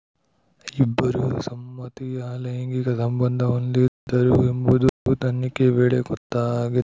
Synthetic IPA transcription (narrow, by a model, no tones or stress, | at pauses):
ibːɐɾusɐmːɐt̪ijaːlɐjɐŋɡiɡɐsɐmbɐnd̪ʱɐond̪iɾd̪ɐɾuembud̪ut̪ɐnːikeʋeːɭeɡɔt̪ːaːɡit̪ː